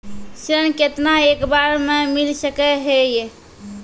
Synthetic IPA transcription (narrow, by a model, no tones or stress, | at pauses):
sɾənket̪naekbaɾmemilsəkɛɦeje